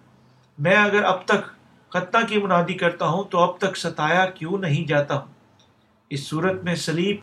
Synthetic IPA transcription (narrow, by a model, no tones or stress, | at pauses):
mɛ̃ːɐɡəɾɐb̚t̪ɐk | xɐt̪nãkimʊnaːd̪ikɐɾt̪aɦũt̪oɐb̚t̪ɐksɐt̪aːjakjũnɐɦĩd͡ʒaːt̪aɦũː | ɪsːuːɾət̪mẽsɐliːb